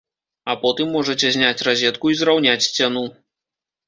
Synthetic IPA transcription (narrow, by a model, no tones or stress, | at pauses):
ɐpɔt̪ɨmːɔʐɐt͡sʲɛzʲnʲat͡sʲrazʲɛt̪kuizrawnʲat͡sʲsʲt͡sʲanu